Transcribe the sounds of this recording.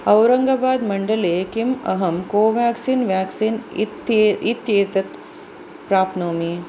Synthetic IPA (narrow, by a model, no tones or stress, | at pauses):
ɐwɾɐŋɡabaːd̪mɐɳɖɐleːkimɐ̰ɦɐmkoːʋaːksiːnʋjaːksiːnt̪it̪jeːt̪ɐt̪ | pɾaːpnoːmi